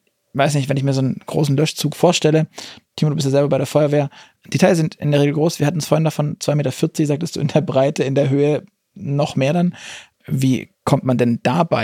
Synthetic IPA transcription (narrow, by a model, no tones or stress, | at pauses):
vaɪsnɪçtv̥ɛnɪçmiːɐzoːnnɡ̥ʁo̰ːsn̩lœʃt͡suːkfoːɐʃtɛlətʰiːmodubɪstjazɛlbɐbaɪɾeːɐfɔʏɐveːɐ | d̥etʰaɪz̥ɪntʔɪ̰ndeɐeːɡl̩ɡʁoːsv̥iːɐhatn̩nsfoːɐhɪndafɔnt͡sv̥aɪmeːtɐfɪɐt͡sɪçzaːk̚təstd̥ṵːɪndeːɐbʁaɪtəɪndeːɐɦøːə | nɔχmeːɐdan | vḭːkʰɔmtmandɛnd̥aːbaɪ